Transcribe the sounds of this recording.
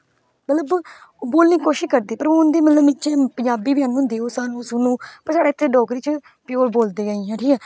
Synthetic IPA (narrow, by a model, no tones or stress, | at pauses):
mət̪ləbboːlniːkoːʃɪʃkəɾd̪iːpəɾoːʊnd̪eːmət̪ləbmɪt͡ʃẽːpəɲd͡ʒaːbiːbɪjãːnːnd̪eːoːsaːnũːsʊnũːpəɾsaːɖeːɪt̪ʰːeːɖɔːkɾiːt͡ʃ | pɪjoːlboːld̪eːaːiãːʈʰiːkɛː